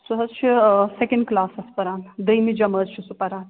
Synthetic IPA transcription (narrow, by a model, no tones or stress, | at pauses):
suɦɐzt͡ʃʰisekeɳɖ̚klaːsɐspɐɾãːnd̪əjmid͡ʒɐməzt͡ʃʰisupɐɾãːn